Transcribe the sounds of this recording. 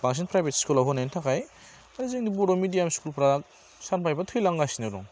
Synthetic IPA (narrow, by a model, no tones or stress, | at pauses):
b̥aŋs̬enpɾajbetskulaɦɔnajntʰakaj | aɾizeŋdibuɾomidijamskulpɾa | sanpʰajbatʰɯjlaŋɡasinaɾṵŋ